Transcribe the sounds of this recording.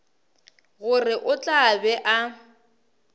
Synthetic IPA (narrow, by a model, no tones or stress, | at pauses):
ɣʊrɪʔʊt͡ɬʼabɛʔa